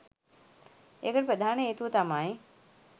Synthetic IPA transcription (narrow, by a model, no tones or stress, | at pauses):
eːkəʈpɾɐd̪ʱaːneːt̪ut̪aːmaːɦẽ